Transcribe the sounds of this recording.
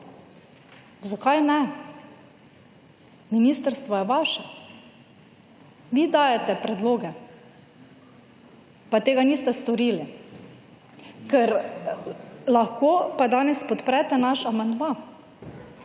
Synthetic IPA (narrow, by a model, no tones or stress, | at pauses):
zakajnɛ | minist̪əɾst̪ʋɔjɛʋaʃɛ | ʋid̪aːjɛt̪ɛpɾɛd̪loːɡɛ | pat̪eːɡaniːst̪ɛst̪ɔɾiːli | kɛɾ | laxkoːpad̪aːnɛspɔt̪pɾɛt̪ɛnaʃamand̪ma